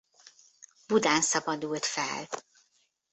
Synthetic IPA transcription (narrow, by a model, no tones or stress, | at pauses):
b̥ud̪aːnsɒbɒd̪ult̪fɛ̰l